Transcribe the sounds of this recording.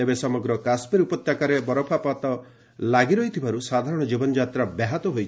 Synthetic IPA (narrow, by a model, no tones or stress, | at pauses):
ebesɔmɔɡɾɔkasmiɾupɔt̪jakaɾebɔɾɔpʰapat̪ɔ | laɡiɾɔjt̪ʰibʱaɾusad̪ʱaɾɔɽ̃ɔd͡ʒibɔnɔd͡ʒat̪ɾabaɦat̪ɔɦojt͡ʃʰ